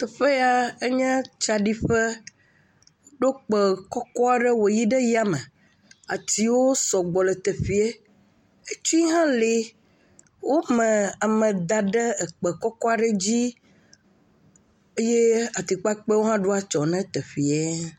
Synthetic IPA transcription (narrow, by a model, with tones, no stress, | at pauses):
t̪ɛ˨ɸe˦a˦e˦ɲɛ̃˦t͡ʃa˨ɖi˦ɸɛ˦ | ɖo˦k͡pɛ˨kɔ˦kɔ˦a˨ɖɛ˦wo˨ji˦ɖɛ˦ji˦a˨mɛ̃˨ | a˨t̪i˨wo˦sɔ˨ɡ͡bɔ˨lɛ˨t̪ɛ˨fi˨e˦ | e˦t͡ʃu˦i˦ɦã˦le˨ | wo˦mɛ̃˨a˨mə̃˨d̪a˨ɖɛ˦ɛ˨k͡pɛ˨kɔ˦kɔ˦a˨ɖə˦d͡ʑi˦ | e˦je˦a˨t̪i˨k͡pa˦k͡pe˦wo˦ɦã˦ɖo˦a˦t͡ʃɔ˨nɛ̃˦t̪ɛ˨fi˨e˦